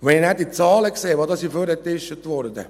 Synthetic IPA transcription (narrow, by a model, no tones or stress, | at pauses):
ʋɛninædit͡sɑːləkseːʋɑːd̪ɑsiføɾɛtɪʃtətʋɔɾd̪ə̰